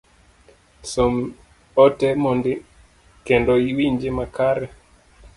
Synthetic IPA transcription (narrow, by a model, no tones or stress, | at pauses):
som | ɔtɛmɔndɪ | kɛndɔiwiɲd͡ʒemakaɾɛ